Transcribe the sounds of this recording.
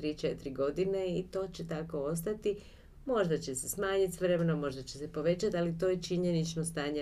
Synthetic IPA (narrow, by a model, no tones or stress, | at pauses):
t̪ɾiːt͡ʃet̪ɾiɡo̞d̪ineit̪o̞ːt͡ɕe̞t̪ako̞o̞st̪at̪i | mo̞ʒd̪at͡ɕe̞se̞smaːɲit̪sʋɾemenomo̞ʒd̪at͡ɕe̞se̞po̞ʋe̞t͡ɕat̪alit̪o̞ːjet͡ʃiɲe̞nit͡ʃno̞st̪aːɲe